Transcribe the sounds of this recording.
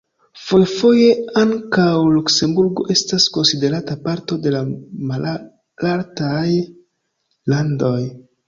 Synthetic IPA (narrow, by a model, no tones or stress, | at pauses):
fo̞jfo̞je̞aŋkawlukse̞mbuɾɡo̞̰ʔe̞stasko̞nside̞ɾatapaɾto̞de̞lamal | laɾtaj | lando̞j